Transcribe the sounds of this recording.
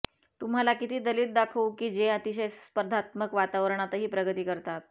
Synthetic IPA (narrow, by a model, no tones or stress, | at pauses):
t̪um̤alakit̪iːd̪əliːt̪̚d̪akʰəwkiːd͡ʑeət̪iɕ̬əjsspəɾd̪ʱat̪məkʋat̪aʋəɾəɳat̪əɦiːpɾəɡət̪iːkəɾt̪at̪̚